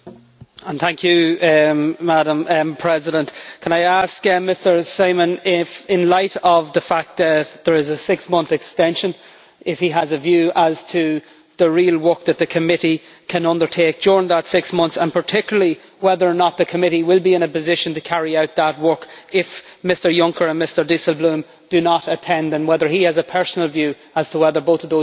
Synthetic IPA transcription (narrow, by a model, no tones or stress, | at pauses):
ə̃nθæ̃ŋkʰjɨ | maɾə̃mpʰɹ̥ɛzɪɾə̃nʔkʰə̃naɪaskmɪstə˞seɪmə̃nɪfɪ̃nlaɪɾʌvðəfak̚t̪̚ðət̪̚ðə˞ɪzəsɪksmʌ̃nθɨkstɛ̃nʃə̃n | ɪfhiəzəvjʉːʔəz̥tʰə | ðəɹiəlˠwɜ˞k̚ðət̪̚ðɨkʰəmɪɾi | kʰə̃nʌ̃ndə˞tʰeːk̚d̥ʊɹɪ̃ŋðətsɪksmʌ̃nθsə̃npʰə˞tʰɪkjl̩əli | wɛðə˞ənət̪̚ðəkʰəmɪɾiwɪlˠbiɨ̃nəpɨzɪʃə̃ntɨkʰæɹiaʊt̪̚ðət̚wɜ˞kɪfmɪstə˞jʌ̃ŋkə˞ə̃nmɪstə˞disəl̩ˠblũm | d̥ɨnəɾətʰɛ̃nðə̃nwɛðə˞iɨzəpʰɜ˞snəl̩ˠvjʉ | əz̥tʰəwɛðə˞boʊθʌvðoʊ